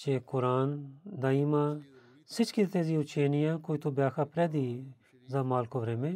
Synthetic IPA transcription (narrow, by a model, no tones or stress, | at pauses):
t͡ʃeːkʊɾaːnd̪aːiːmaː | sɪt͡ʃkit̪t̪eːziːʊt͡ʃʰeːnɪjãːkoit̪uːbjaːkʰaːpɾɛːd̪iː | zaːmaːlkoʋɾeːmẽː